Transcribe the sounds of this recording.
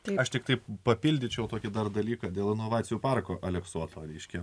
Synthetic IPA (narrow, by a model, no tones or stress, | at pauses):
ɐɐʃt̪ʲɪk̚t̪ɐɪpɐpʲilʲd̪ʲɪt͡ʃʲɛʊt̪oːkʲɪd̪ɐrd̪ɐlʲiːkɑːd̪ʲeːlˠɪnoːʋɑːtt͡ssʲɪjuːpɑrkoːʔɐlʲɛksuɔt̪oːɾʲɛɪʃʲkʲɛ